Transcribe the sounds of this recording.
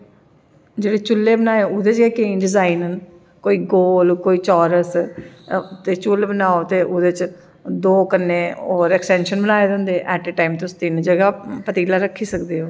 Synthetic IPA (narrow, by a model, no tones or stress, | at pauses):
d͡ʒeːɽeːt͡ʃʊlːeːbənaːeʊd̪et͡ʃkeːkeɖɪzaːiːnn | koːiːɡoːlkoːiːt͡ʃɔːɾəs | t̪eːt͡ʃʊlbənaːoːt̪eːʔʊd̪eːt͡ʃ | d̪oːkənːẽːoːɾɛksʈɛːnʃənbənaːeːd̪ɦʊ̃nd̪eːʔɛːʈeʈaːimt̪eʊst̪ɪnd͡ʒəɡaːpət̪iːlaːɾəkʰːiːsəkd̪eːɦoː